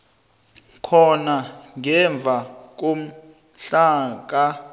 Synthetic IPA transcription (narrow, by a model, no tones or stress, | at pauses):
kʰɔnaŋɛɱb̪vʱak̬om̩ | ɬaːk̬a